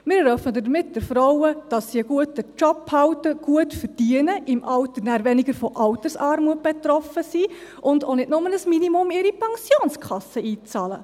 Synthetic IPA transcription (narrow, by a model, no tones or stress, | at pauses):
mɪːɾdœfədəmɪt̚d̥ɪɾfɾɔwəd̥ɑsːiəɡuətət͡ʃɔpːhɑwtəɡ̥uətfərd̥iənəʔɪmʔɑltənæːɾvɛniɡəɾfɔʔɑwtəsɑːɾmuət̚b̥etɾɔfəsiːʔʊndonɪtnʊmənəsminimʊmɪɾipʰɑŋsjoːnskχɑsəiːt͡sɑːlə̰